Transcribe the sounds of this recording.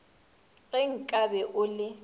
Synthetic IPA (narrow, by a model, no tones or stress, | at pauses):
ɣɛŋ̩kʼabɛʔʊlɪ